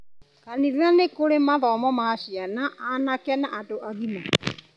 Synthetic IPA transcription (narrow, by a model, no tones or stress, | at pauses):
kaniðuanekoɾemaðɔːmɔmaɕianaʔanakɛnaʔadoʔaɣima